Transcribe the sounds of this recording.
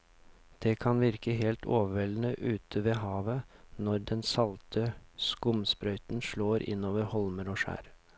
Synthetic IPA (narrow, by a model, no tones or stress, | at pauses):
d̪̥ɛkʰɑnʋɪɾkəɦeːlt̪ʰoːʋəʋɛlnəʔʉːt̪ʰəʋeːɦɑːʋənɔɾd̪ɛnsɑlt̪ʰəskʊmspɾœʏt̪nʂɭoːɾʔɪ̰nːoːʋəɾhɔlməɾoːʂæ̰ːɾ